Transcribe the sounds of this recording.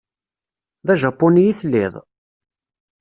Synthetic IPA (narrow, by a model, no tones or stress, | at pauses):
ðæʒɑpːʊnijiθlːiɪ̰ðˤ